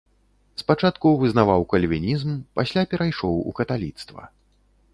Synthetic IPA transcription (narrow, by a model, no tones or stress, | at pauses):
spat͡ʂat̪kuvɨznavawkɐlʲvʲinʲizmpasʲlʲapʲɛɾajʂɔwṵkɐt̪alʲit̪st̪vɐ̰